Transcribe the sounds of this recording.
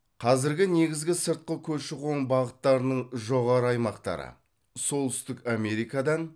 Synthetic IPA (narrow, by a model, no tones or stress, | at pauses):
qʰɑzɪɾɡʲɪne̞ɡʲɪzɡʲɪsəɾt̪̚qəkʲʰɵʃɪqʰo̞ɴbɑʁət̪ːɑɾənəɴʒo̞ʁɑɾəɑjmɑqt̪ɑ̰ɾə̰ | so̞lˠt̪ʏ̥st̪ɪkame̞ɾijkɑd̪ɑn